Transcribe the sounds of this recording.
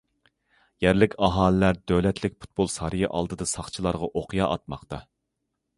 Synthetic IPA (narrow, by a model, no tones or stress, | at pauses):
jɛɾlɪkʲɑɦɑːlɨlæɾd̪ølɛt̪ʰlɪkʲpʰu̥t̪̚bolˠsɑɾɨjiʔɑ̰lˠd̪ɨd̪ɑsɑχt͡ʃʰilˠɑɾʁɑʔoqʰjɑʔɑt̪̚mɑqt̪ɑ